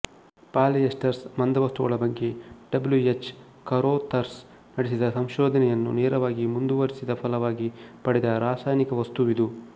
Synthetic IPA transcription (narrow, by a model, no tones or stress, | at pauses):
paːljesʈɐɾsmɐnd̪ɐʋɐst̪uɡɐɭɐbɐŋɡeɖɐbljuet͡ʃː | kɐɾoːt̪ɐɾs | nɐɽesid̪ɐsɐmʃoːd̪ʱɐnɛjɐnːṵneːɾɐʋaːɡimund̪uʋɐɾisid̪ɐpʰɐlɐʋaːɡipɐɽɛd̪ɐɾaːsaːjnikɐʋɐst̪uʋid̪u